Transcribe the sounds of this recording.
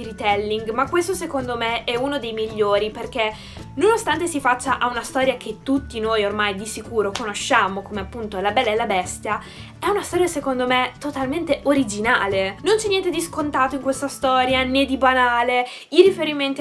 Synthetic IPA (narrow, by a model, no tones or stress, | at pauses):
ɾit̪ɛlːiŋɡmakːwest̪osekond̪omeɛunod̪ejmiʎːoːɾiperk̟e | nonost̪ant̪esifat͡ʃːaʔaunast̪ɔːɾjak̟et̪ːut̪ːinoːjormajd̪isikuːɾokonoʃːaːmokomeapːunt̪olabɛlːaelːabɛst̪ja | ɛunast̪ɔːɾjasekond̪omet̪ot̪alment̪eʔoɾid͡ʒina̰ːlenont͡ʃɛnːjɛnt̪ed̪iskont̪aːt̪oiŋkwest̪ast̪ɔːɾjaned̪ːibanaːle | irifeɾiment̪